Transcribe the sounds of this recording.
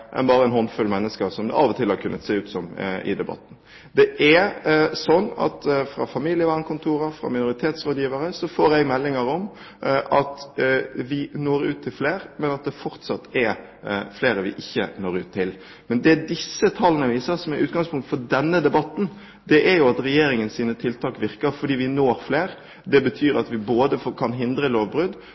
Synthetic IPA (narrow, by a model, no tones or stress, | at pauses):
ʔɛ̰nbɑːɾəɛnhɔnfʉlmɛnːəskəɾsɔmd̪ɛ̰ʔɑʋɔt̪ʰɪlhɑɾkʰʉnːət̪seːʉːt̪sɔmɪ̰d̪ɛbɑ̰t̪ːn̩ | d̪ɛʔæsɔnːɑ̰t̪fɾɑ̰fɑmilɪəʋæːnkʊnt̪ʰuːɾəfɾɑ̰mɪnʊɾɪt̪ʰeːt̪sɾoːd̪jiːʋəɾəsɔfoːɾɛɡmɛlːɪŋəɾɔm | ʔɑt̪ | ʋɪnoːɾʉːt̪ʰːɪlfleːɾmɛnɑt̪̚d̪ɛfɔɾt̪sɑt̪ːɛ | fleːɾəʋɪ̰ʔɪçːə̰noːɾʉːt̪ʰːɪl | mɛnd̪ɛd̪ɪsːət̪ʰɑlːənəʋiːsəsɔmɛɾʔʉ̰ːt̪ɡɑŋspʰʊŋkt̪fɔd̪ɛnːəd̪ɛbɑt̪ːn̩ | d̪ɛʔæɾjʊɑt̪ɾɛjeːɾɪŋənsiːnət̪ʰɪlt̪ʰɑːkʋɪɾkəɾfɔɖiːʋɪnoːɾfleːɾ | d̪ɛbət̪ʰyːɾɑt̪ʋɪboːd̪əfkʰɑnɦɪnd̪ɾəloːʋbɾʉd̪